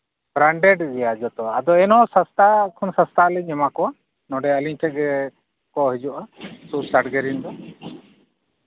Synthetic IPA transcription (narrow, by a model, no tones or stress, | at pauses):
bɾaɳɖɛɖd͡ʒɛjad͡ʒɔt̪ɔad̪ɔɛnɔ̃sast̪akʰɔnsast̪ʰalɛɲɛmakɔ | nɔɖɛəliɲʈʰɛʔ̚ɡɛ | kɔɦɛd͡ʒuʔasusaʈɡɛɾind̪ɔ